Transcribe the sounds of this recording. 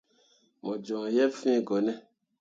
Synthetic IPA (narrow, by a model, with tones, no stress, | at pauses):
mɔ̃˨d͡ʒɔ̃˨jɛ˦fĩ˦ɡɔ˨nɛ˦